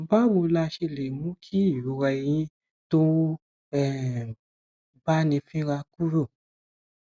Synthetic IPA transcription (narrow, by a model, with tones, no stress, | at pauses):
ba˦wo˧la˧ʃe˧le˨mũ˨˦kʰi˦˨ju˨˦ɾɛ˧i˧j̃ĩ˦ | to˦ | ɛ˦˨ | ba˦nĩ˧fĩ˦ɾa˧ku˦ɾo˦˨